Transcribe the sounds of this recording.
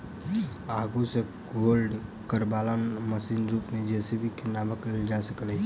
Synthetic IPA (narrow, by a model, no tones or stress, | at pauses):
aːɡuse | ɡoːlɖ | kəɾbaːlanməsiːnɾuːpmẽd͡ʒɛːsebʱikenaːməkled͡ʒasəklɦɛ